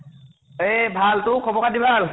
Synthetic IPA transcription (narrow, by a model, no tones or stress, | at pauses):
ebʱaltʊkʰɔbɔkadibʱal